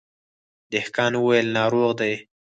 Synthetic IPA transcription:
d̪ɪhkɑnwəwajəlnɑɾoɣd̪aj

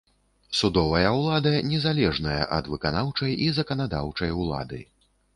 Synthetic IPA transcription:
sud̪ɔvɐjɐwlˠad̪ɐnʲɛzalʲɛʐnɐjɐ̰ʔɐ̰d̪vɨkanawt͡ʂɐjizɐkɐnad̪a̰wt͡ʂɐjulˠa̰d̪ɨ̰j

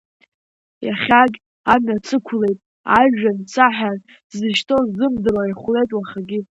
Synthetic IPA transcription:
jaχʲaɡʲ | amɥat͡sʰɨkʷʰle̞jtʼ | aʒᶣant͡sʰaħan | zɨʃtʰozɨmdɨraiχʷle̞jtʼwaχaɡʲi

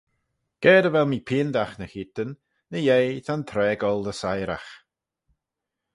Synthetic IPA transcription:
ɡ̥ɛːdəvɛlˠmiːpʰɪːnd̪axnəxɪt̪ənː | əjejt̪ʰant̪ʰɾɛːɡɔlˠdəsajɾa̰x

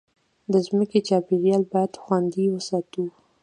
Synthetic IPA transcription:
d̪əzməket͡ʃɑpeɾjɑlbɑjad̪xwand̪iwəsɑt̪u

